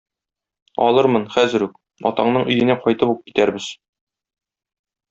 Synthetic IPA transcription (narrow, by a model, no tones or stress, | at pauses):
ɒ̰lˠɤɾmɤnχæzɘ̆ɾʉk̚ | ɒ̰t̪ɑɴnɤɴɵ̆jɘ̆næqɒjt̪ɤpup̚ki̥t̪æɾbɘz̥